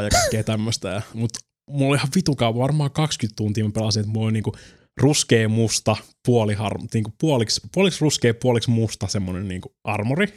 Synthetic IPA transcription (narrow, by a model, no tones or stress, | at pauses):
jɑkɑikːeːt̪æmːøst̪æjɑmut̪ | mulːolihɑʋʋit̪ukɑuʋɑʋɑrmɑːkɑkskyt̪t̪unt̪iːmæpelɑsinet̪mulːolniːŋku | ruskeːmust̪ɑpuolihɑ̰rniːŋkupuolikspuoliksruskeːpuoliksmust̪ɑsemːonenniːŋkuʔɑrmori